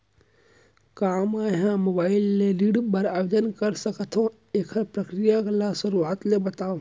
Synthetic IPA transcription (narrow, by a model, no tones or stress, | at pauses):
kaːmaːɦãmobaːɪlːeliɽbəɾaːjod͡ʒənkəɾsəkət̪ʰɦõ | eːkʰəɾpɾəkɾijaklasʊɾuaːt̪lebət̪aːo